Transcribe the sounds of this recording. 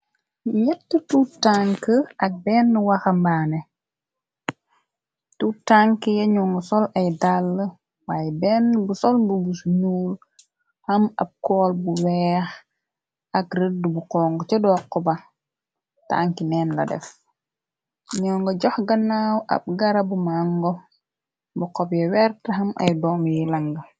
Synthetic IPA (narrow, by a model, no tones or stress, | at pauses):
ɲɛtːututaŋkəɐk̚bɛːnːəwɐxɐmbaːnɛ | tutaŋkəjɛɲɔːŋɡɐsɔlɐjdalːə | waːjɛbɛːnːbusɔlbubusuɲuːl | hɐmɐ̰b̚kɔːlbuwɛːx | ʔakɾədubuqɔŋɡɔt͡ʃɛdɔːkːɔba | ta̰ːŋkinɛːnla̰dɛ̰f | ɲɔːŋɡɔɟɔxɡanːaːwʔa̰b̚ɡaɾabumaŋɡɔ | bukɔpjɛwɛɾtɐɦamʔa̰jdɔːmjilaŋɡɐ